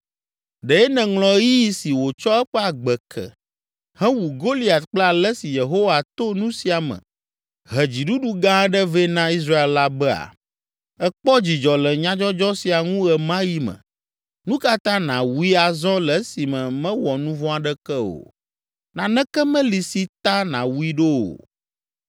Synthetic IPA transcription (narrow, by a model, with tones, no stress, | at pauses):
ɖɛ˨ɛ˦nɛ̃˨ŋlɔ̃˨˦ji˦si˨wo˨t͡ʃɔ˦ɛ˦ɸɛ˦a˨ɡ͡bɛ˨kʰɛ̰˨ | hɛ̃˦wu˨ɡo˦li˦a˨t̪k͡plɛ˦a˨lɛ˦si˨je˨ɦo˦wa˨t̪o˦nũ˦si˨a˨mə̰̃˨ | ɦɛ˨d͡ʑi˨ɖu˦ɖu˦ɡã˦ɛ˦ɖə˦vɛ˦nã˦i˦s̬ɾa˦e˨lla˦bɛ˦a̰˨ | ɛ˦k͡pɔ˦d͡ʑi˨d͡ʒɔ˨lɛ˨ɲã˦d͡ʒɔ˦d͡ʒɔ˦si˨a˨ŋũ˦ɛ˨mã˦ji˦mə̰̃˨ | nũ˦ka˦t̪ã˦nã˨wu˦i˦a˨zɔ̃˦lɛ˨˦si˨mɛ̃˨mɛ̃˦wɔ˨nũ˦vɔ̃˦a˨ɖɛ˦kɛ˦o̰˨ | nã˨nɛ̃˦kɛ˦mɛ̃˦li˨si˨t̪a˦nã̰˨wu˦i˦ɖo˦wo̰˨